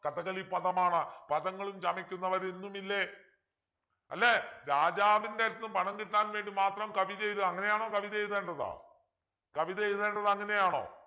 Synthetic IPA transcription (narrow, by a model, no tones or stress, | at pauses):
kɐðɐɣɐɭipɐðɐmaːɳɨpɐðɐŋːɐɭumt͡ɕɐmikʲːunːɐʋɐɾenːumilːe | ɐ̰lːeɾaːd͡ʑaːʋindeɾinːupɐɳɐŋkiʈːaːnʋeːɳɖimaːt̪rɐmkɐʋiðɐjɾuɐŋːɐne̞jaːɳo̞ːkɐʋiðɐjðeːɳɖɐða̰ː | kɐʋiðɐjðeːɳɖɐðɐŋːɐne̞jaːɳo̞̰ː